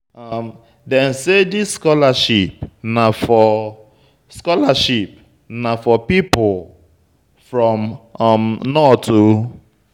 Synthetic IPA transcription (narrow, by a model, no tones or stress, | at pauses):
am | dɛ̃nsedisskɔlaʃip̚nafɔ | skɔlaʃip | nafɔpipʊl | fɹɔ̃mmnɔtu